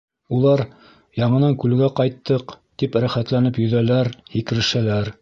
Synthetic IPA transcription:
ulˠɑɾ | jɑɴɤ̆nɑŋkʉlɡæqɑjt̪ːɤqt̪ipɾæχæt̪lænɘpjɵ̆ðælæɾhikɘ̆ɾɘ̆ʃælæɾ

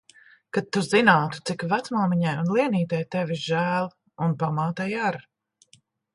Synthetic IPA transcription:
kat̪ːuzinaːt̪u̥t̪sikvat̪smalmiɲajunlˠiɛniːt̪ɛjt̪ɛviʒæːlˠ | unpamaːt̪ajaɾ

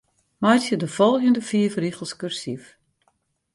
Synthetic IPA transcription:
majtjədəfɔlˠɣjəndəfiəfrixəlˠskørsif

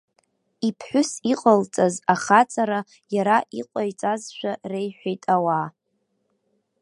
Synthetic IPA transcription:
ipʰħʷᶣʊsiqʼəlt͡sʼazaχat͡sʼaɾa | jaɾaʔiqʷʼajt͡sʼazʃʷᶣarejħᶣʷejtʼawa

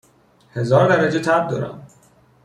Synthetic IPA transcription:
he̞zɒːɾd̪æɾæd͡ʒet̪ʰæb̚d̪ɒːɾæ̰m

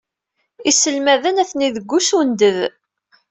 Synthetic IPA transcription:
isəlmæðənæθniðəɡʷːusund̪əð

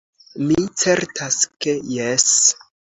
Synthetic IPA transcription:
mit͡se̞ɾtʰaskejes

